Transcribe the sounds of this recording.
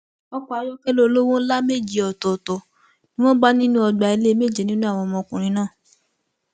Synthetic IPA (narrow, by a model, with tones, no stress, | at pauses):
ɔ˧k͡pɔ˦a˧˦jɔ˦kɛ˦lo˦˨lo˦wõ˦la˦me˦˨d͡ʒi˨ɔ˨tɔ˨tɔ˨ | nĩ˦w̃ɔ̃˦ba˦nĩ˦nũ˦ɔ˧ɡ͡ba˨˧i˧le˦me˦˨d͡ʒe˨nĩ˦nũ˦a˦˨w̃ɔ̃˧mɔ̃˧kũ˨ɾ̃ĩ˨˦nãː˦˨